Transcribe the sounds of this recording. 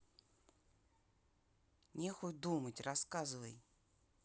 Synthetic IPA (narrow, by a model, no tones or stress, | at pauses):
nʲexʊjd̪umətʲrɐskazɨvəj